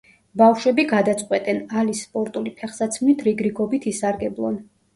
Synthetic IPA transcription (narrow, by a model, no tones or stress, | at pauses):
bafʃwɛbiɡad̪at̪sʼqʼwɛt̪ʼɛnalisːpʼɔɾt̪ʼulipʰɛχsat̪sʰmnit̪ʰɾiɡɾiɡɔbit̪ʰisaɾɡɛblˠɔ̰n